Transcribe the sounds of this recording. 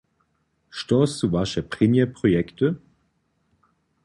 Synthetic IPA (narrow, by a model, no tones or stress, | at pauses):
ʃtɔstuvaʃəpʁ̥ɛmjɛpʁ̥ɔjɛktə